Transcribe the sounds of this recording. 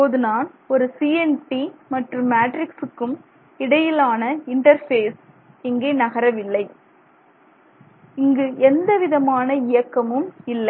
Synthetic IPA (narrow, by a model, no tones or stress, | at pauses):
poːðɯnaːnɔɾɯsiːɛnʈimɐʈrɯmːaːʈɾɪksɯkːɯm | ɪɽɐjɪlaːnɐɪɳʈɐɾfeːs | ɛŋɡeːnɐɣɐɾɐʋɪlːɐɪ | ɪŋɡɯʔɛnd̪ɐʋɪðɐmaːnɐɪjɐkːɐmɯmɪlːɐɪ